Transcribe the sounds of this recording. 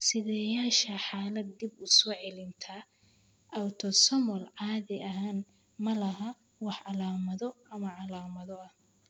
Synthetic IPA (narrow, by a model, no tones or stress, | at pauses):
sɪðɛːjaːʃɐħaːlɐd̪̚ːɪbʊsɔːʕɛlɪnt̪ʰɐ | ʔɐwt̪ʰɔsɐmɔlʕɑːðɪʔɐɦaːn | mɐlɐɦɐ | wɑħɑlaːmɐðɔɐmɐʕɑlaːmɐðɔɐh